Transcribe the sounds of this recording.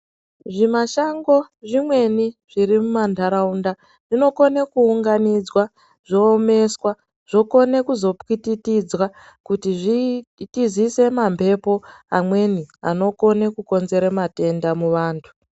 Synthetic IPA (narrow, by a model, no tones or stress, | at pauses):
ʐimaʃaŋɡo̞ | ʐimwe̞niʐ̥iɾimumandʱaɾaunda | ʐ̥ino̞ko̞nekuːŋɡanid͡zwa | ʐ̥o̞ːme̞swa | ʐ̥o̞ko̞ne̞kuzo̞pkititid͡zwa | kutiʐitizise̞mampʰe̞po̞amwe̞nia̰no̞ko̞nekuko̞nze̞ɾemate̞ndamuʋaːntʰu̥